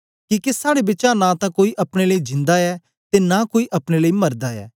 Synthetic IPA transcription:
kikesaːɽebɪːt͡ʃãnãt̪ãkoːiʔɐpɽ̃eləid͡ʒɪ̃nd̪aɛː | t̪eːnakoːiʔɐpɽ̃eləimɐɾd̪aɛ̰ː

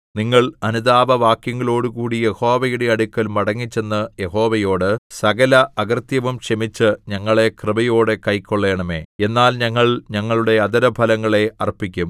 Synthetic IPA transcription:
niŋːɐɭɐnuðaːʋɐʋaːkjɐŋːɐɭo̞ːɽukuːɽije̞ho̞ːʋɐjuɽeɐɽukʲːɐlmɐɽɐŋːit͡ɕːe̞nːɐje̞ho̞ːʋɐjo̞ːɽɨsɐɡɐlɐʔɐɡɐrt̪jɐʋumɕɐmit͡ɕːɨɲɐŋːɐɭe̞krɨbɐjo̞ːɽekɐjkːoɭːe̞ːɳɐme̞̰ːe̞nːaːlɲɐŋːɐɭɲɐŋːɐɭuɽe̞ɐd̪ɐɾɐbʱɐlɐŋːɐɭe̞ɐrpːikʲːum

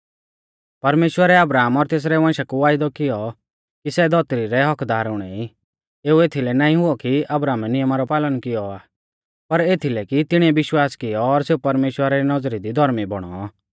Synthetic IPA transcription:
pɐɾmeːʃwəɾɛɐbɾaːmɔɾt̪eːs̬ɾɛʋãːʃakuʋaːɪd̪ɔkɪjɔ | kisɛd̪ɔt̪ɾiɾɛɦɔkd̪aːɾʊɽ̃ɛi | eːuet̪ʰilɛnaːĩɦʊɔkiʔɐbɾaːmɛnɪjəmaɾɔpaːlənkɪjɔaː | pɐɾet̪ʰilɛkit̪ɪɽ̃iɛbɪʃwaːskɪjɔːɾseupɐɾmeːʃwəɾaɾinɔd͡zɾid̪id̪ʱɔɾmibɔɽ̃ɔ

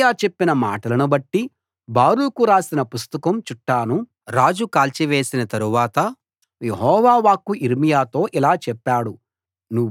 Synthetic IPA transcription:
jaːt͡ʃe̞pːinɐma̰ːʈɐlɐnubɐʈːi | baːɾulukuɾaːsinɐpust̪ɐkɐmt͡ʃuʈːaːnu | ɾaːd͡ʒukaːlt͡ʃiʋe̞ːsinɐt̪ɐɾuʋaːt̪ɐ | jeɦɔːʋaːʋaːkːuʔiɾmijaːt̪o̞ːʔilaːt͡ʃɛpːaːɽu | nu

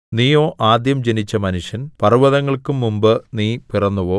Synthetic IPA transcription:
niːjo̞ːʔaːd̪jɐmd͡ʑe̞nit͡ɕːɐmɐnuʂjɐnpɐruʋɐðɐŋːɐɭkumːumbɨniːpirɐnːuʋo̞ː

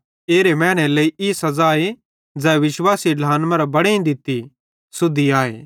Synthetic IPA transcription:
eːɾemɛ̃ːɽ̃ɛleːiʔisɐzaːe | d͡zɛːʋɪʃwaːsiɖʱaːnmɐɾbɐɽeĩd̪ɪt̪i | sʊd̪iaːḛː

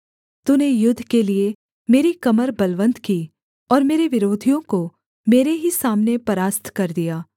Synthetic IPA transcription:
t̪unejʊd̪ʱːkelie | meːɾikɐməɾbɐlʋə̃nt̪kiː | ɔːɾmeːɾeʋɪɾoːd̪ʱijõko | meːɾeɦisaːmnepɐɾaːst̪ʰkɐɾd̪ijaː

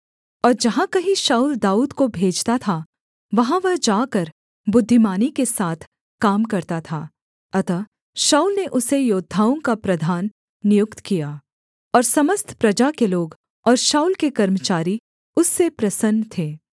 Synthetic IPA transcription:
ɔːɾd͡ʒɐɦãkɐɦĩʃaːuːld̪aːuːd̪kobʱeːd͡ʒt̪at̪ʰa | ʋɐɦãʋɐɦd͡ʒaːkɐɾ | bʊd̪ʱːɪmaːnikesaːt̪ʰ | kaːmkɐɾt̪at̪ʰa | ɐt̪a | ʃaːulneʔʊsejoːd̪ʱaːõkapɾɐd̪ʱaːnː | ɪjʊkt̪kija | ɔːɾsɐməst̪ʰpɾɐd͡ʒakeloːɡ | ɔːɾʃaːuːlkekɐɾmət͡ʃaːɾi | ʊsːepɾɐsənːt̪ʰeː

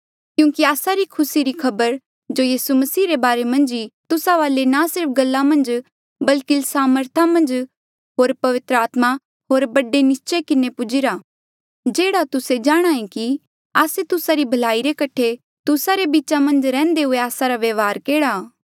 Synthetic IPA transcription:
kjũːkiaːsaɾikʰʊsiɾikʰɐbəɾ | d͡ʒojiːsumɐsiːɾebaːɾemɐ̃nd͡ʒit̪ʊsaʋaːlenasɪɾpɡɐlːamɐ̃nd͡ʒ | bɐlkɪlsaːməɾt̪ʰamɐ̃nd͡ʒ | ɦoːɾpɐʋɪt̪ɾəaːt̪ma | ɦoːɾbɐɖenɪst͡ʃekɪnepʊd͡ʒɪɾa | d͡ʒeːɽat̪ʊsed͡ʒaːɽ̃aːĩki | aːset̪ʊsaɾibʱɐlaːiɾekɐʈʰe | t̪ʊsaɾebiːt͡ʃamɐ̃nd͡ʒɾɛ̃ːnd̪eɦʊeaːsaɾaʋeːʋɦaːɾkeːɽa

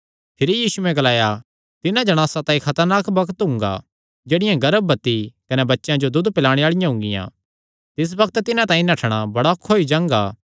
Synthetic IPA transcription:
pʰɪɾijiːsuɛ̃ɡɐlaːja | t̪ɪnãd͡ʒɐɽ̃aːsãt̪ãːĩkʰɐt̪əɾnaːkbɐkt̪ɦʊ̃ŋɡa̰ | d͡ʒeːɽɪjãɡɐɾəbːɐt̪ːikɐnɛbɐtːʃjãd͡ʒod̪ʊd̪pɪlaːɽ̃eaːɭɪjãɦʊ̃ŋɡɪ̰jã̰ː | t̪ɪs̬bɐkʰt̪t̪ɪnãt̪ãːĩnɐʈʰɽ̃abɐɽakʰːoːid͡ʒãːŋɡaː

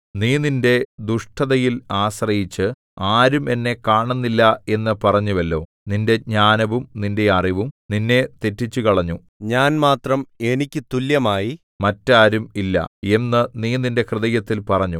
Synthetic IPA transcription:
niːninde̞d̪uʂʈʰɐðɐjilaːɕrɐjit͡ɕːɨ | aːɾume̞nːe̞kaːɳunːilːɐe̞nːɨpɐrɐɲːuʋɐlːo̞ː | ninde̞ɲaːnɐʋumninde̞ɐriʋumninːe̞t̪etːit͡ɕːukɐɭɐɲːu | ɲaːnmaːt̪rɐme̞nikʲːɨt̪uljɐmaːji | mɐtːaːɾumilːɐ̰e̞nːɨniːninde̞krɨðɐjɐt̪ːilpɐrɐɲːu

